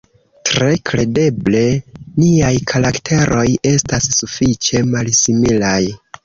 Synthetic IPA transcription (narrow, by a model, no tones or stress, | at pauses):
tɾe̞kɾe̞de̞ble̞niajkʰaɾaktʰe̞ɾʔo̞je̞stasːufit͡ʃe̞malsimilaj